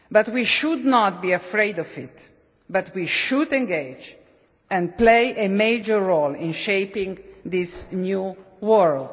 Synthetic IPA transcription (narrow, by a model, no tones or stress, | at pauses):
bat̪wiʃud̪nɔt̪̚biəfɹeɪdɔvɪt̪ | bat̪wiʃudɛ̃nɡeɪd͡ʒ | ɛ̃nplejʔemed͡ʒə˞ːolɪ̃nʃeɪpɪ̃ŋðɪsnju | wɔɹld